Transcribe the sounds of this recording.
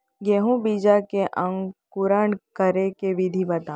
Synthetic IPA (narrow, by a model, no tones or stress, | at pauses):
ɡeɦũbid͡ʒakeʔə̃ŋɡkʊɾəɳkəɾekeʋid̪ʱibɐt̪ãː